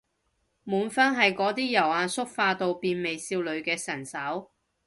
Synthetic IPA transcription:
muː˨˥nfɐ˥nɦɐ˨jkɔː˨˥t̪iː˥jɐ˨˩waː˨nsʊ˥k̚faː˧t̪o˧wpiː˧nme˨jsiː˧wlɵ˨˧ɥkɛː˧sɐ˨˩nsɐ˨˥w

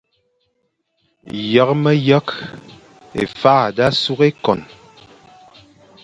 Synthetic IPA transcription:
jə˦k̚mə˦jə˦k | ḛ˨faː˦˨da˦su˦ke˦kɔ˨n

